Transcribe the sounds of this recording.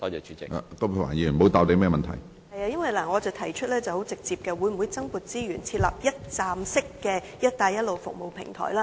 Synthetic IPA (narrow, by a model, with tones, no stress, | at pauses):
t̪ɔː˥t͡ʃɛː˨˧t͡ʃʰy˨˦t͡sɪ˨a̰˨t̪ɔː˥pʰwa̰ː˨˩nji˨˩˨mo˨˧wt̪aː˨p̚t̪e˨˧jmɛː˥˩mɐ˨nt̪ʰɐ̰˨˩j | hɐ˨jaː˧jɐ˥nwɐ˨˩jlaː˨˩ŋɔː˨˧t͡sɐ˨˩wt̪ʰɐ˨˩jt͡ʃʰɵ˥t̚lɛː˥t͡sɐ˨who˨˥wt͡sɪ˨k̚t͡siː˨p̚kɛː˧wu˨˧˥jm̩˨wu˨˧jt͡sɐ˥ŋpuː˨˩t̚t͡siː˥jyː˨˩nt͡sʰiː˧t̚lɐ̰˨p̚jɐ˥t̚t͡saː˨˩msɪ˥kːɛː˧ | jɐ˥t̚t̪aː˧jɐ˥t̚lo˨wfʊ̰˨k̚mo˨wpʰɪ̰˨˩ŋt̪ʰɔ̰ː˨˩jlaː˦˥